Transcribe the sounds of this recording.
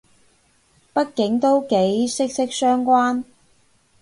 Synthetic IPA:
pɐ˥t̚kɪ˨˥ŋt̪o˥wke˨˥jsɪ˥k̚sɪ˥k̚sœː˥ŋkʷaː˥n

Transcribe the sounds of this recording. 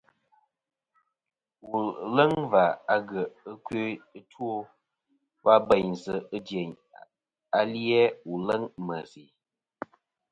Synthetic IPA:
wu˨lə˦ŋva˨a˦ɡə˨ə˦kɥe˦ə˦two˦ | wa˦bɛ˨ɲzə˨ɨ˦djɛ˨ɲ | a˦li˦ɛ˦wu˨lə˦ŋmə˨zi˨

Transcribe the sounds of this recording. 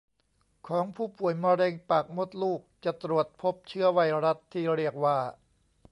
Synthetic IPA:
kʰɔː˩˦ŋpʰuː˥˩pu˨˩əjmɔ˧ɾeː˧ŋpa˨˩k̚mo˦˥t̪̚luː˥˩k̚t͡ɕa˨˩t̪ɾu˨˩ət̪̚pʰo˦˥p̚t͡ɕʰɯ˦˥˩əwa˧jɾa˦˥t̪ʰːiː˥˩ɾi˥˩ək̚waː˥˩

